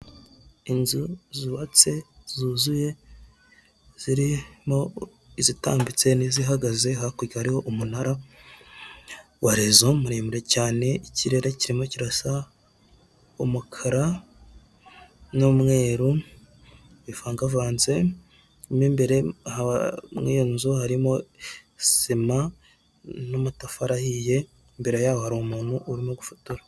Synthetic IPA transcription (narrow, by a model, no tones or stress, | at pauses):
inzuziβat͡se̞z̥uːzuje̞ | z̥iɾimo̞ | izita̰ːmbit͡se̞niziɦaɡaze̞ɦakuɾɟahaɾiho̞ʔumunaɾa | waɾezomuɾeːmuɾe̞caːne̞iciɾe̞ɾeciɾimo̞ciɾasa | omukʰaɾa | nomŋe̞ːɾu | wifaːŋɡavaːnze̞ | mimbe̞ɾe̞ha̰mŋinzohaɾimo̞ | sima | nomutafaɾahije̞ | mbe̞ɾe̞jaːwohaɾomuːnuʔuɾimoɡufutuɾḁ